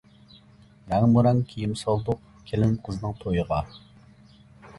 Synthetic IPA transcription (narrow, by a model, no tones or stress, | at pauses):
mæŋmuɾɛŋkʲʰijimsɑlˠd̪ʊq̚ | kʲʰelɪnqʰəzɨnɨŋt̪ʰojəʁɑ